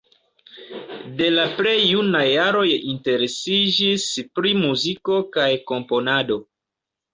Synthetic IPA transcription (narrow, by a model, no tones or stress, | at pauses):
de̞lapɾe̞junajːaɾo̞jinte̞ɾe̞sid͡ʒispɾimuziko̞kajko̞mpo̞nado̞